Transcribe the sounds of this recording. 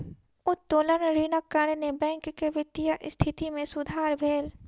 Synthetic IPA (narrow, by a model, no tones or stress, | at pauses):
ʊt̪t̪oːlənɾiːnəkːənnebɛ̃ːŋkkeʋɪt̪ːijaʔst̪ʰɪt̪imẽsʊd̪ʱaːɾbʱeːl